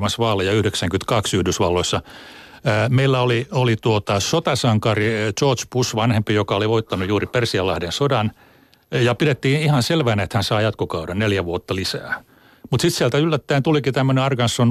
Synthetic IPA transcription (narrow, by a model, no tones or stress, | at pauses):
mɑnsʋɑːlːejɑyhdeksæŋkynt̪kɑksyhdysʋɑlːoisːɑ | meilːæoliolit̪uot̪ɑsot̪ɑsɑŋkɑrit͡ʃoːt͡ʃpusʋɑnhempijokɑoliʋoit̪ːɑnujuːripersiɑlːɑhdensodɑn | jɑpiɾet̪ːiːnihɑnselʋæːnæet̪hænsɑːjɑt̪kokɑudɑnneljæʋuot̪ːɑlisæː | mut̪sit̪siælt̪æylːæt̪ːæint̪ulikit̪æmːøneɑrɡɑnsːon